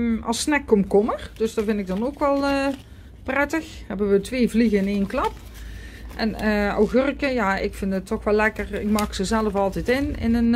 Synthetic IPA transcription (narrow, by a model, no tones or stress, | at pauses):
ɑ̰lˠsnɛkːɔmkɔmərd̥øsdɑvɪntɪɡ̚dɑnoːkʋɛlˠə | prɛtəxɦɛbəʋətʋeːvliɣəɪneːnklɑp | ʔɛno̰wɣørkəjaɪ̰kfɪndətːɔxʋɛlːɛkərɪk̚mɑːksəzɛlˠəfɑlˠtɛjtɪnɪ̰nən